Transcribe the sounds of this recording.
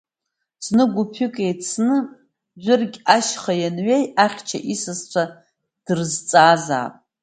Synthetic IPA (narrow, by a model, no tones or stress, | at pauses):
t͡sʰnɨɡʷupʰɨkʼejt͡sʰnɨ | d͡ʒʷʏrɡʲaʃχajanɥejaχʲt͡ʃʰa̰ʔisɨst͡ɕʷʰa | d̥ɨrzt͡sʼaːza̰ːpʼ